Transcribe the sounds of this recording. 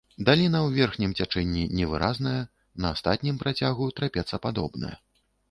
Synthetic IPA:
d̪alʲinɐwvʲɛrxnʲimt͡sʲat͡ʂɛnʲːinʲɛvɨɾaznɐjɐ | nɐːst̪at̪ʲnʲimpɾat͡sʲaɣut̪ɾapʲɛt̪sːɐpad̪ɔbnɐ̰jɐ̰

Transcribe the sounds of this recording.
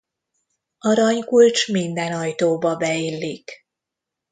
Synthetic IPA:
ɒɾɒɲkult͡ʃmind̪ɛnɒjt̪oːbɒbɛilːik

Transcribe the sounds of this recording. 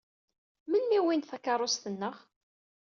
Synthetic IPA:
mənmiwinθækɑɾˤost̪ənːəʁ

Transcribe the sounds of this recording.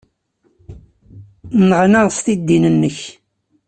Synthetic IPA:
nəʁnaʁst̪id̪ːinənːəç

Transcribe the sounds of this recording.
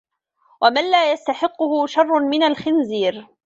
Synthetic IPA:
wʔamanlaːjast̪aħɪqːʊhʊʃɑrˤːʊnmɪnalxɪnziːɾ

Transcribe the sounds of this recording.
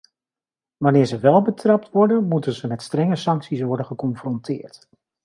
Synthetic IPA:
ʋanɪːɹzəʋɛlˠbətrɑp̚tʋɔɹdənmutənzəmɛtstrɛŋəsɑŋksisʋɔɹdənχəkɔnfrɔntʰɪːɹt

